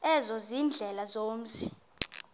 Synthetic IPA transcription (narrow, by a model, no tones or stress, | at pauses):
ɛzɔziːnd͡ɮʱɛlazoːm̩sʰi̥